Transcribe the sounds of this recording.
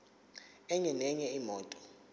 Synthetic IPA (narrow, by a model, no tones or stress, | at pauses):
ɛɲɛnɛɲɛimɔːtʼɔ